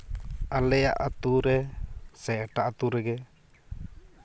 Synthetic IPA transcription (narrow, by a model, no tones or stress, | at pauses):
alɛja̰ʔat̪uɾɛsɛʈaʔat̪uɾɛɡɛ